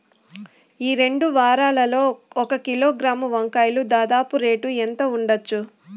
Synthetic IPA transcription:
iːɾe̞ɳɖuʋaːɾaːlɐlo̞ːɔkɐkiloːɡɾaːmuʋɐŋkaːjlud̪aːd̪aːpuɾe̞ːʈuent̪ɐuɳɖɐt͡ʃːu

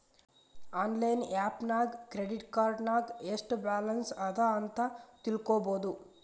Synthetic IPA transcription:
aːnlɐjnaːpnaːɡːɾeɖiʈkaːɾʈnaːɡeːsʈbaːlɐnsɐd̪aːɐnt̪aːt̪ilukɔːboːd̪u

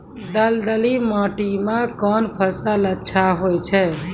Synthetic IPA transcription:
d̪əld̪əlimɔ̃ːʈimãkɔːnpʰəsalətːʃʰaɦojt͡ʃʰɛ

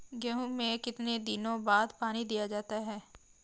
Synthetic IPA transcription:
ɡɛɦũmẽkɪt̪ned̪ɪnõbaːd̪paːnid̪ijad͡ʒaːt̪aɦɛː

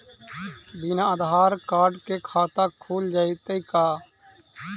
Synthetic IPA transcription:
biːnãːəd̪ɦaːɾkaːɾɖkeːkʰaːt̪aːkʰuːld͡ʒaːit̪əikaː

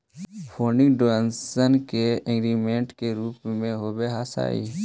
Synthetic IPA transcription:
pʰoːnɪŋɡɖoensənkeɪ̃ŋɡɾimẽːɳʈkeɾuːpmẽɦoːbeɦaːsa̰ːḭː

